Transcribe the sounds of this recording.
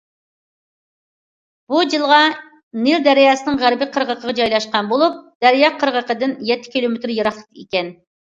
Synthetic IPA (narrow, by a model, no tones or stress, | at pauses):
b̥ud͡ʒilˠʁɑ | nɪld̪ɛɾjɑːsɨnɨŋʁæɾbɪqʰəɾʁəqʰəʁɑd͡ʒɑjlˠɑʃqɑnbolˠup̚d̪̥æɾjɑqʰəɾʁəqəd̪ɪnjɛt̪ʰːɪ̥kʲilˠomet̪ɾjeɾɑχlˠət̪ekʲɛn